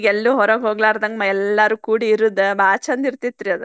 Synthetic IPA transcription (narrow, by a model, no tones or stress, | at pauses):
ɡɛlːuːɦɔɾɐɡɦoːɡɭaːɾd̪ɐŋɡɐmaɛlːaɾukuːɽiiɾud̪ebʱaːt͡ʃɐnd̪iɾt̪it̪ːɾiɐd̪u